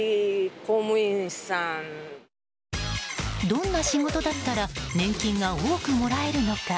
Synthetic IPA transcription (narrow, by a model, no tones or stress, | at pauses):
komɯĩsãn | d̪õ̞nːaɕiŋɡo̞t̪o̞d̪at̪ːaɾanẽ̞ŋkʲĩŋɡaoːkɯ̟mo̞ɾae̞ɾɯ̟no̞ka